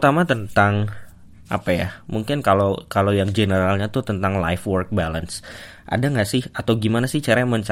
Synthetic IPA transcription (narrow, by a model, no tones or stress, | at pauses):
t̪amat̪ənt̪aŋ | ʔa̰paja̰muŋkɪnkalokalojaŋd͡ʒənəɾalɲat̪ʊt̪ənt̪aŋla̰jfwɔrk̚baləns | ʔa̰daŋɡaʔsɪhat̪awɡimanasɪht͡ʃaɾaaməɲt͡ʃa